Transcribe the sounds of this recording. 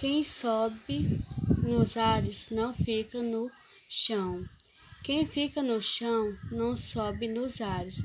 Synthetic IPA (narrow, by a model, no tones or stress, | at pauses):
kẽj̃sɔbɪnʊzaɾɪsnɐ̃w̃fikɐnʊ | ʃɐ̃w̃ | kẽj̃fikɐnʊʃɐ̃w̃nɐ̃w̃sɔbɪnʊzaɾɪs